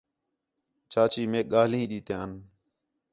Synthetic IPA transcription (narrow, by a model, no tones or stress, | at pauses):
t͡ʃaːt͡ʃiːmeːk̚ɠaːlĩːɗiːt̪ẽːən